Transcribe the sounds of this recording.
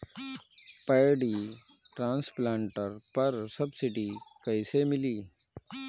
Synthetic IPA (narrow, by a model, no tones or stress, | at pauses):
pəjɖiːʈɾãːnsplãːɳʈəɾpɐɾsəbsɪɖiːkəɪsemɪliː